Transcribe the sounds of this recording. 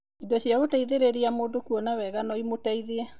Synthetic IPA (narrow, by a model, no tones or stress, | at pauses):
indɔɕiaɣotaiðeɾeɾiamoːndokuɔnawɛɣanɔimotaiðeɛ